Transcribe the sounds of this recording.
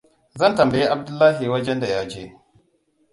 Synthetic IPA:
zɐ˦˨ntɐ˨mbɐ˨je˦ʔa˨b̚dʊ˦lːaː˦ɦi˨wɐ˦d͡ʒɛ˦nda˨jaː˦d͡ʒeː˦

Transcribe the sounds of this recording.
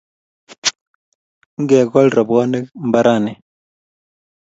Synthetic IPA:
ŋ˦ɡɛ˨kɔ˦lɾɔ˨bɔ˦ne˦m̩ba˦ɾʔa˦˨ne˨

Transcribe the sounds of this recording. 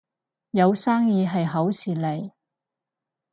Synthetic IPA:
jɐ˨˧wsaː˥ŋjiː˨˧ɦɐ˨jɦɐ˨˥wsiː˨˩le˨˩j

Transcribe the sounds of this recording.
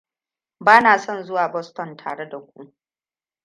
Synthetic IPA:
baː˦naː˨sɔ˦nzʊ˦waː˨bɔ˦stɔ˨ntʰaː˨ɽe˦da˨kʷu˦ʔ

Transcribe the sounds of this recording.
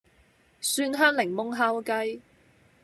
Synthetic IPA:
syː˧nɦœː˥ŋlɪ˨˩ŋmʊ˥ŋɦaː˥wkɐ˥j

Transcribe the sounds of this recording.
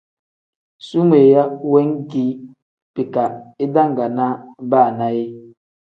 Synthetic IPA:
su˦m˦e˨ja˦we˦ŋ˦ki˨˦ | pi˨ka˨e˦da˦ŋ˨ɡa˨na˦ba˦˨na˦je˦

